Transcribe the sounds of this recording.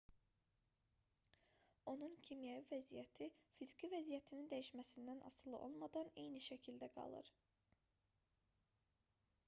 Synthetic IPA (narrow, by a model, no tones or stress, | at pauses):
o̞nuncʰimijævivæzijæt̪ʰifizicʰivæzijæt̪ʰinind̪æjiʃmæsind̪ænʔɑ̰sɯlˠɯ̰ʔo̞̰lˠmɑd̪ɑne̞jniʃæcʰild̪æɡɑ̰lˠɯ̰ɾ